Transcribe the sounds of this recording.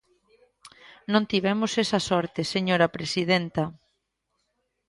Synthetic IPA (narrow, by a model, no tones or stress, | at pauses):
nõnt̪iβɛmʊsesɐsɔɾt̪eseɲoɾaɐpɾesiðent̪ɐ